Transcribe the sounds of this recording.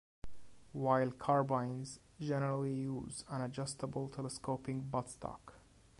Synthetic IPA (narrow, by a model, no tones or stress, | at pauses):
waɪlˠkʰɑɹbãɪ̃nz | d͡ʒɛnəɹəl̩ˠijuzə̃ñəd͡ʒʌstəbəlˠtʰɛləskopɪ̃ŋbʌtstʰɑ̰k